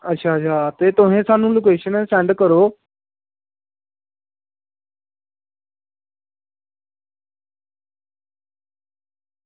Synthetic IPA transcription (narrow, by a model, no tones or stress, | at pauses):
ətːʃʰaːtʃʰaːt̪eːt̪ʊɦẽːsaːnũːloːk̬eːʃənɛːsʈɛ̃ːɳɖkəɾoː